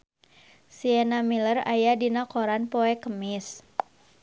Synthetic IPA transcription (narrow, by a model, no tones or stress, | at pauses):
siɛnamilərajadinakoɾanpoɛkəmɪs